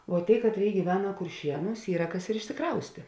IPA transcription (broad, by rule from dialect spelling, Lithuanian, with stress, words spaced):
ʋoː ˈtʲeːɪ ˈkɑːtʲˌrʲeːɪ ɡʲiːˈʋʲæːnɐ kʊrʲˈʃʲiɛnuːs ˈiːrɐ ˈkɐs ɪr ɪʃʲsʲɪˈkrɐʊsʲtʲeː